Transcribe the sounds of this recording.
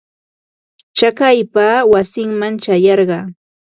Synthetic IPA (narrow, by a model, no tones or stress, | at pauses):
t͡ʃakajpaːwasɪŋmant͡ʃajɑɾɢɑː